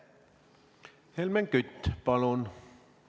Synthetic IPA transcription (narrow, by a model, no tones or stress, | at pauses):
helmeŋkyt̪ʲːpɑlon